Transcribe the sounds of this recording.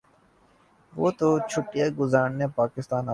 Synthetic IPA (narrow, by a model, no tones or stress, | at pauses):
ʋoːt̪ot͡ʃʰʊʈːijaɡʊzaːɽnepaːkɪst̪aːna